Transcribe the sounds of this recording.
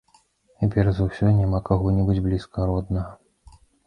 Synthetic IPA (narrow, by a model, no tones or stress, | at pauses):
t͡sʲɛpʲɛrzɐwsʲɔjnʲamakaɣɔnʲɛbɨd͡zʲblʲiskɐɾɔd̪nɐɣɐ